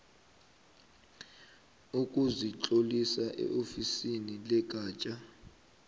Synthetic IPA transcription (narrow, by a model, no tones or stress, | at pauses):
ukʼuzit͡ɬʼolisaʔɛ̰ʔofisinilɛɡ̥̬ʼʱaːt͡ʃʼa